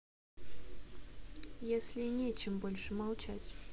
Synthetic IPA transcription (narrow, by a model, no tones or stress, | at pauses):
jesʲlʲɪnʲet͡ɕɪmbolʲʂɨmɑlˠt͡ɕatʲ